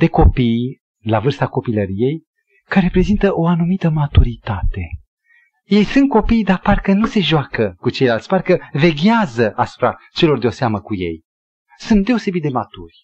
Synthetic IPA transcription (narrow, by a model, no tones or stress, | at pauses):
d̪̥e̞ko̞pij | lavɨrst̪ako̞piləɾije̞j | kaɾeɾepɾe̞zint̪əʔo̞anumit̪əmat̪uɾit̪at̪e̞ | je̞jsunt̪̚ko̞pijd̪aparkənuse̞ʒoakəkut͡ʃe̞jlalt̪ʲparkəve̞ɡʲazəʔasu̥pɾat͡ʃe̞lo̞rd̪eo̞seaməkuje̞̰j | sunt̪̚d̪e̞o̞se̞bit̪̚d̪e̞mat̪urʲ